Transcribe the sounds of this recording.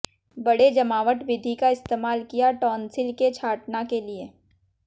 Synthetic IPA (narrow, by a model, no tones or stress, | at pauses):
bɐɽed͡ʒɐmaːʋəʈʋɪd̪ʱikaɪst̪eːmaːlkijaʈɔːnsɪlket͡ʃʰaːʈnakelie